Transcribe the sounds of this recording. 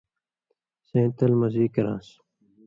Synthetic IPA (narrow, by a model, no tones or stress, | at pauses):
sẽːt̪ɐlmɐziːkɐɾã̰ːs